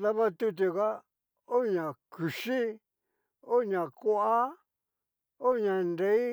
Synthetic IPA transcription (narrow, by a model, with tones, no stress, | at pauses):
ða˦βa˦t̪u˧t̪̬u˧ɣa˦ | o˦ɲã˨ku˨ʃi˦ | o˦ɲã˨ko˦ʔa˦ | o˦ɲã˨nde˧˦i˦